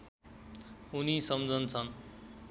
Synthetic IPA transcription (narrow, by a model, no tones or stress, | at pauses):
unisʌmd͡zʱʌnt͡sʰʌn